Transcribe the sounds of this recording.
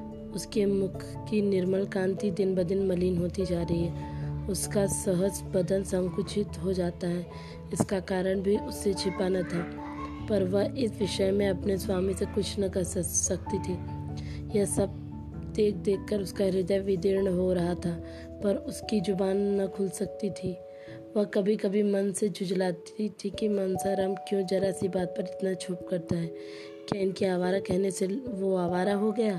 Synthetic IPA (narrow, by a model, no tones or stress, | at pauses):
ʊskemʊkʰ | kinɪɾməlkãːnt̪id̪ɪnbɐd̪ɪnmɐliːnɦoːt̪id͡ʒaːɾɐɦiɦɛːʊskasɐɦəsbɐd̪ənsɐ̃ŋkʊt͡ʃʰɪt̪ɦod͡ʒaːt̪aɦɛː | ɪskakaːɾəɽ̃bʱiʔʊsːet͡ʃʰɪpanɐt̪ʰaː | pɐɾʋɐɦɪsʋɪʃəmẽɐpneswaːmisekʊt͡ʃʰnɐkɐɾsɐk̚t̪it̪ʰiː | jɐsɐb̚ | d̪eːkʰd̪eːkʰkəɾʊskaɾɪd̪əjʋɪd̪ɪɾɳɦoɾɐɦat̪ʰaː | pɐɾʊskid͡ʒʊbaːnːɐkʰʊlsɐk̚t̪it̪ʰiː | ʋɐɦkɐbʱikɐbʱimɐnsed͡ʒʊd͡ʒlaːt̪it̪ʰikimɐnsaɾɐmkjõːd͡ʒɐɾasibaːt̪̚pɐɾɪt̪nat͡ʃʰʊp̚kɐɾt̪aɦɛː | kjaɪnkiaːʋaːɾakɛɦneseʋoaːʋaːɾaɦoɡɐjaː